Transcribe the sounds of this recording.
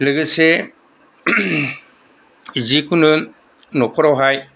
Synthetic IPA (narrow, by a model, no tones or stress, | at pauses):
lɯɡɯse | zikunɯ | nɔkʰɔɾawɦaj